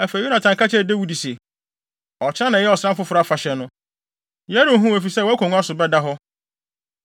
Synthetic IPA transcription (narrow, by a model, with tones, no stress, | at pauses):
æ˨fæ˨ju˦nã˨tʰã˨ŋka˦t͡ɕʰɛ˦˨de˦wu˦di˨sɛ˨ | ɔ˨t͡ɕʰɪ˦ã˦nã˨jɛ˦ɔ˨sã˦m˦fʊ˦fʊ˨ɾa˦˨fa˨ɕɛ˨nʊ̃˦ | jæ˦ɾi˨˦˨ɦũ˦æ˨fi˨sɛ˦wɔ˦æ˦kʰʷɔ˨ŋũ˦a˦sʊ˨bɛ˦da˦ɦɔ˦